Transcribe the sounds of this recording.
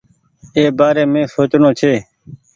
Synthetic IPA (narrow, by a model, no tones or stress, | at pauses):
eːbaːɾeːmẽːsoːt͡ʃnõːt͡ʃʰeː